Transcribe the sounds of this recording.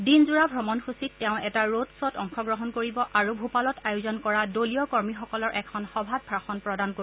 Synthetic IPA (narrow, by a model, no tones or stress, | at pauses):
dinzuɹabʱɹɔmɔnxusitːɛʊ̃ɛtaɹotsɔtɔŋxʰɔɡɹɔɦɔnkoɹibɔʔaɹubʱupalɔtajʊzɔnkɔɹadoliɔkɔɹmixɔkɔlɔɹʔɛkʰɔnxɔbʱad̚bʰʱɹaxɔnpɹɔdanko